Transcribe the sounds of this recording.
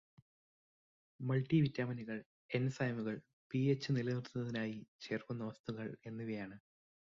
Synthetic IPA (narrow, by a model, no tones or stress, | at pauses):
mɐɭʈːiʋitːaːmɐniɣɐɭ | e̞nsajmuɣɐɭ | piet͡ɕːɨnilɐnirt̪unːɐðinaːjit͡ɕe̞ːrkunːɐʋɐst̪uɣɐɭe̞nːuʋɐjaːɳɨ